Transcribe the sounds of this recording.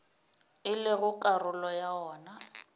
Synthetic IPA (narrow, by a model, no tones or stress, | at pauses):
ɪlɪɣʊkʼarʊlɔjaɔːna